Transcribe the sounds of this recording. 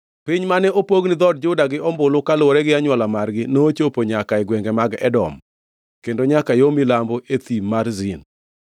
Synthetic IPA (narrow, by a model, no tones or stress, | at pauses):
piɲmanɛʔopoɡnɪd̪ɔd̚d͡ʒʊdaɡɪɔmbʊlʊkalwɾɛɡɪaɲwalamarɡɪnot͡ʃopoɲakaɪɡwɛŋɡɛmaɡɛ̰dɔ̰m | kendoɲakajomilamboʔet̪imarzɪn